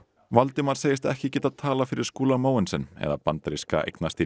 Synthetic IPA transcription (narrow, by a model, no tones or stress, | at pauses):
valt̪ɪmaɾ̥seːjɪst̪ɛ̰hcɪcɛːt̪aðt̪ʰaːlafɪɾɪɾ̥skuːlamaːwɛnsɛnːɛ̰ðapant̪ɾiska̰ʔḛjknast̪i